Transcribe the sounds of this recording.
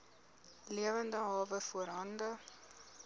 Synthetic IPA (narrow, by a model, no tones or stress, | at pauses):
liəvəndəɦɑːvəfuəɾɦɐndə